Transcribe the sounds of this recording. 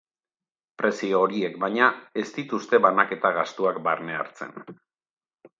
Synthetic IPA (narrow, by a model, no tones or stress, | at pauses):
pɾe̞sio̞ːɾie̞kbajɲae̞st̪it̪ust̪e̞βanake̞t̪aɣast̪uak̚ba̰rne̞a̰ɾt͡se̞̰n